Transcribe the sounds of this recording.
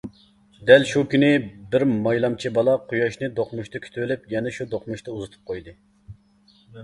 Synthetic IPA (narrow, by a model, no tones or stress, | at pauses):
d̪ɛlʃukʲynɪbɪɾmɑjlˠɑmt͡ʃʰibɑlˠɑqʰujɑʃnɨd̪oqmuʃt̪ɨkʲʰy̥t̪ʰywɪlɪpjɛnɛʃud̪oqmuʃt̪ɑuzɨt̪ʰu̥p̚qʰojd̪ɨ